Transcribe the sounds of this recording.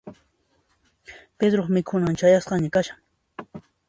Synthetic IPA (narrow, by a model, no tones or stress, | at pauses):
ped̪ɾoχmɪkʰʊnant͡ʃajasqɑɲakaʃaŋ